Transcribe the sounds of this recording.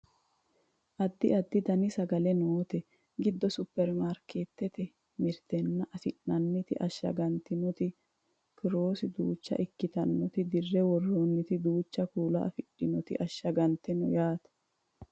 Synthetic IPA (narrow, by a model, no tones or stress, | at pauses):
ʔɐd̪ːɪɐd̪ːɪd̪ɐnɪsɐɡɐlɛnoːt̪ɛ | ɡɪd̪ːɔsʊpːɛɾmaɾkeːt̪ːɛt̪ɛ | mɪɾt̪ɛnːɐʔɐfɪʔnɐnːɪt̪ɪʔɐʃːɐ̰ɡɐnt̪ːɪnɔt̪ɪ | kɪɾoːsɪd̪uːt͡ʃːɐ̰ʔɪkːɪt̪ɐnːɔt̪ɪd̪ɪrːɛwɔrːonːɪt̪ɪd̪uːt͡ʃːɐkuːlɐ̰ʔɐ̰fɪɗːɪnɔt̪ɪ̰ʔɐʃːɐɡɐnt̪ːɛnɔjaːt̪ɐ̥